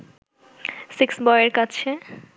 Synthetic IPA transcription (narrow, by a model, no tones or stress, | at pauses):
siksbɔjeɾkat͡ɕʰe